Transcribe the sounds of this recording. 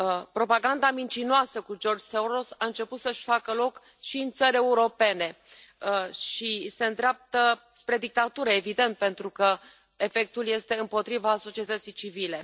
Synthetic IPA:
pɾo̞paɡand̪amint͡ʃinoasəkud͡ʒo̞rd͡ʒseɾosaɨnt͡ʃe̞put̪səʃʲfakəlo̞k | ʃiɨnt̪səɾʲe̞uɾo̞pe̞ne̞ | ʃise̞nd̪ɾeap̚t̪ə | spɾe̞d̪ik̚t̪at̪uɾəevid̪e̞nt̪̚pe̞nt̪ɾukə | e̞fe̞k̚t̪ulje̞st̪e̞ɨmpo̞t̪ɾivaso̞t͡ʃiet̪ət̪sijt͡ʃivile̞

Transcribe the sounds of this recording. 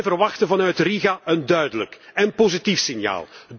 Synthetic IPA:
jvərʋɑxtəvɑnœɥtriɣaʔəndœɥdələkɛnpozitifsɪnja̰ːlˠ

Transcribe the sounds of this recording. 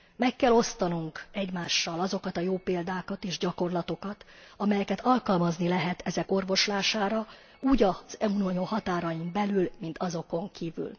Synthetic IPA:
mɛkːɛlo̞st̪ɒnuŋkɛɟmaːʃːɒlɒzo̞kɒt̪ɒjoːpeːld̪aːkɒt̪eːʒɟɒko̞rlɒt̪o̞kɒt̪ɒmɛjɛkɛt̪ɒlkɒlmɒznilɛɦɛt̪ʰɛzɛko̞rvo̞ʃlaːʃaːɾɒ | uːɟɒz̥ɛunoɲohɒt̪aːɾɒjimbɛlylmint̪ʰɒzo̞ko̞ŋkiːvy̰l

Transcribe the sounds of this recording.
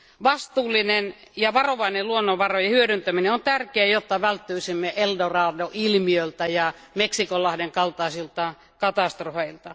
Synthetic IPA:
ʋɑst̪uːlːˑinen | jɑʋɑroʋɑineluonːoʋɑrojɑhyøɾynt̪æmineont̪ærkeæjot̪ːɑʋælt̪ːyisimːeʔeldorɑːdoʔilmiølt̪æjɑ | meksikolːɑhdeŋkɑlt̪ɑˑisilt̪ɑ | kɑt̪ɑst̪rofeilt̪ɑ

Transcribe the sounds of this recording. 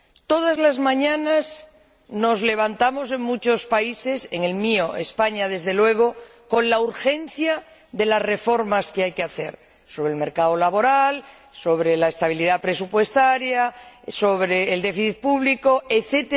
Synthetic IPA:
t̪o̞ðazlazmãɲãnas | no̞zle̞β̞ant̪amo̞s̬e̞ŋmut͡ʃo̞spaise̞seŋe̞lmio̞espaɲað̞e̞zðe̞lwe̞ɣ̞o̞ | ko̞nlauɾxe̞nθja | ðe̞lazre̞fo̞ɾmaskeajkeaθe̞̰ɾ | soβɾelme̞ɾkaolaβo̞ɾal | so̞βɾe̞laest̪aβ̞iliðapɾe̞supwe̞st̪aɾjaso̞βɾeːld̪e̞fiθit̪̚puβliko̞e̞θet̪e

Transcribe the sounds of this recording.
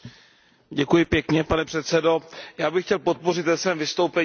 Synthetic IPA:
ɟɛkujɪpjɛkɲɛpanɛpr̥ɛt̪sɛdo̞jaːbɪxcɛlpo̞t̪̚po̞r̝ɪt̪vɛsvɛːmvɪst̪o̞wpɛ

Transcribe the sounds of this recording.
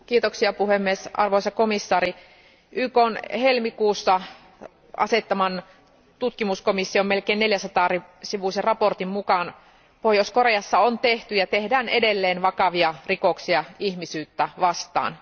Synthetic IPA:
kiːt̪oksiɑpuhemːiesʔɑ̰rʋoisɑkomisːɑːɾi | ʔykonhelmikuːsːɑ | ɑ̰set̪ːɑmɑn | t̪ut̪kimuskomisːiommelkeːnneljæsɑt̪ɑːrisiʋuserɑport̪immukɑn | pohjoskoreɑsːɑont̪eht̪yjɑt̪ehdæːnedelːeːnʋɑkɑʋiɑrikoksiɑihmisyːt̪ːæʋɑst̪ɑ̰ːn

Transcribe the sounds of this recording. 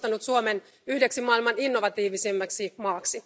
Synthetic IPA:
t̪ɑnut̪suomen | yhde̞ksimɑilmɑninːo̞ʋɑt̪iːʋisimːæksimɑːksi

